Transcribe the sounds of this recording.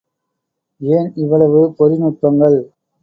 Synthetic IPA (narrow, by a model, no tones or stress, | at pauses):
eːnɪʋɐɭɐʋɯpɔɾɪnʊʈ̚pɐŋɡɐɭ